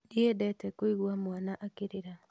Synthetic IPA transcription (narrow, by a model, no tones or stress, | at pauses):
diedɛtɛkoiɣwamwanaʔakeɾeɾa